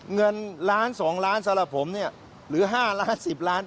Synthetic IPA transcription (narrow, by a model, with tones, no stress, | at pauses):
ŋɤ˧nlaː˦˥nsɔː˩˦ŋɾaː˦˥nsa˧˦mɾa˨˩p̚ʰo˩˦mni˥˩ɐ | ɾɯː˩˦ɦaː˥˩laː˦˥nsi˨˩p̚laː˦˥n